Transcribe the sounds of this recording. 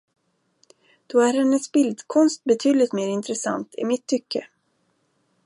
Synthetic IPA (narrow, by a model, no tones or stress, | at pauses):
d̪̥ɔæɾhɛnːəsbɪld̪kʰɔnst̪̚bɛt̪ʰyːd̪lɪt̪meːɾɪnt̪ɾɛsa̰nt̪ʰɪ̰mɪt̪ʰːʏkʰːə